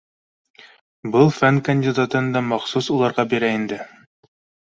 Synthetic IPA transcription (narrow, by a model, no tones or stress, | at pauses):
bɤlˠfænkɐnʲdʲɪd̪at̪ɤnd̪ɑmɑχsusulˠɑɾʁɑbiɾæind̪ɘ